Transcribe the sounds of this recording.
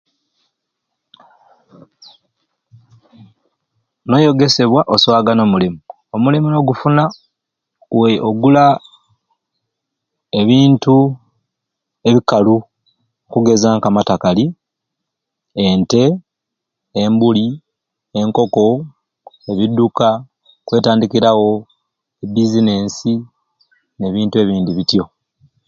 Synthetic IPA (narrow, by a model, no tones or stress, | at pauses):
no̞jo̞ɡe̞se̞βwaʔosowaɡano̞ːmulimu | o̞mulimuno̞ɡufuna | weʔoɡula | eβiːntu | e̞βikalu | kuɡe̞zaŋkamatakali | ente̞ | mbuli | e̞ŋko̞ko̞ | e̞βiduka | kwe̞ːtaːndikiɾawo̞ | ebizine̞ːnsi | ne̞βiːntue̞ːβiːndiβitjo̞